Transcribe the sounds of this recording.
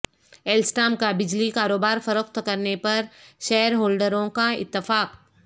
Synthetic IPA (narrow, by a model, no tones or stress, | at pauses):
eːlsʈaːmkabɪd͡ʒlikaːɾoːbaːɾfɐɾokt̪kɐɾnepɐɾʃɛɦɾɦoːlɖəɾõkaɪ̰t̪ːɪfaːq